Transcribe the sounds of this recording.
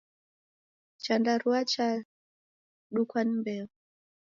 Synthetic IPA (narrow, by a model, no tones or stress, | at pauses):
t͡ʃandaɾuat͡ʃa | ɗukwanimbɛu